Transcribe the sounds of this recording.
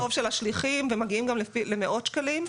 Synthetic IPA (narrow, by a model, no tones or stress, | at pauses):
ovʃelaʃliχimvemaɡiimɡamlefilemeʔo̞tʃkalim